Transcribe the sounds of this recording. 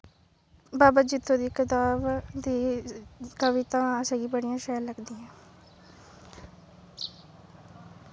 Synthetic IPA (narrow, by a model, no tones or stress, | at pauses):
baːbad͡ʒɪt̪ʰːõːd̪iːkət̪aːbd̪iː | kəʋɪt̪ãːəsəɡiːbəɽɪjãːʃɛːləɡd̪iːjãː